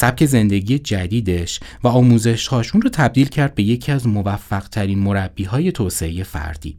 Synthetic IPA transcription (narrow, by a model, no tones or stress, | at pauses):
sæp̚cʰe̞ze̞nd̪e̞ɟijed͡ʒæd̪iːd̪e̞ʃvæɒːmuːze̞ʃhɒːʃunrɔːt̪ʰæb̚d̪iːlcʰæɾd̪̚be̞je̞cʰiæzmo̞væfːæɢ̥t̪ʰæɾiːnmo̞ɾæb̥ːiːɦɒːje̞t̪ʰoːse̞e̞je̞fæ̰ɾd̪̥ḭː